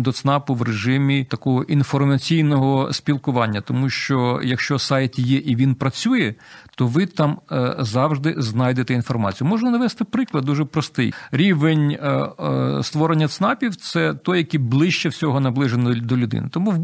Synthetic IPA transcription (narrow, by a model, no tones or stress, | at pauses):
d̪ɔt̪snɑpʊʋreʒɪmʲit̪ɐkɔɦɔʔinfɔrmɐt͡sʲijnɔɦɔspʲilˠkʊʋɑnʲːɐt̪ɔmuʃt͡ʃɔjɐkʃt͡ʃɔsɑjt̪jɛʔiʋʲinpɾɐt͡sʲujɛt̪ɔʋɪt̪ɑmzɑwʒd̪ɪznɑjd̪et̪ɛinfɔrmɑt͡sʲijumɔʒnɐnɐʋɛst̪ɪpɾɪklˠɐd̪̚d̪uʒɛpɾɔst̪ɪjɾʲiʋenʲ | st̪ʋɔɾenʲːɐt̪snɑpʲiwt̪sɛt̪ɔjɐkiblˠɪʃt͡ʃɛwsʲɔɦɔnɐblˠɪʒend̪ɔlʲʊd̪ɪ̰nɪt̪ɔmu